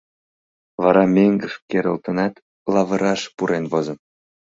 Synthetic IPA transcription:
vɑɾɑmʲeŋɡəfkeɾə̆lt̪ɤ̆nɑt̪ | lɑvɤ̆ɾɑʃpuɾenvozɤ̆m

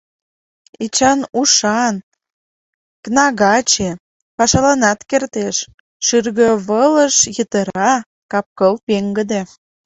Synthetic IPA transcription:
et͡ɕɑnuʃɑn | knɑɣɑt͡ɕe | pɑʃɑlɑnɑt̪kert̪eʃ | ʃyrɣəβələʃjət̪əɾɑ | kɑp̚kəlpeŋɡəd̪e

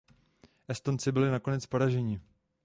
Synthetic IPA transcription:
ʔɛst̪o̞nt͡sɪbɪlɪnako̞nɛt͡spaɾaʒɛɲɪ

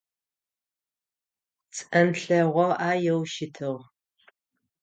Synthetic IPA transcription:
t͡sʼɐnɬɐʁʷɔʔaːjɛwʃɪtʰɨʁ

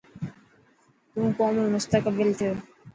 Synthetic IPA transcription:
t̪ũːkɔːmelmʊst̪əkəbəlt̪ʰijoː

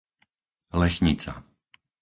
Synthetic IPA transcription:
lɛʃɲit͡sa̰

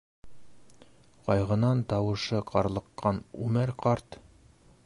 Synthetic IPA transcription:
qɒjʁɤ̆nɑnt̪ɒwɤ̆ʃɤqʰɑɾlˠɤ̆qːɑnʉ̰mɘɾqɑɾt̪

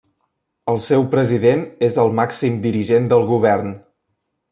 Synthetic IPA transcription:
əlˠsɛwpɾəziðenezəlˠmaksimd̪iɾiʒend̪əlˠɣuβ̞ɛrn

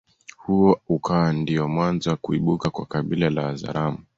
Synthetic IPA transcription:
huɔukawandiɔmwanzaakuiɓukakwakaɓilalaːza̰ɾamu

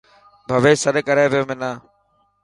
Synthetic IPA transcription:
bʱəʋeːsəɗkəɾẽːboːmɪnãː

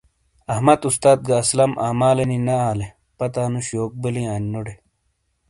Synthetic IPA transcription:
ɐhmɐt̪ust̪aːt̪̚ɡɐːslɐmʔaːmaːleninɐaːle | pɐt̪aːnuɕoːk̚bɐlijaːnnoɖe

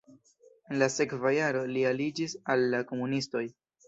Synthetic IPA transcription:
enlase̞kvajaɾo̞lialid͡ʒisalːako̞munisto̞j

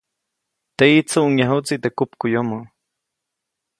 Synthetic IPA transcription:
t̪eit͡suʔuŋjaɦut͡siʔt̪ekupkujomə

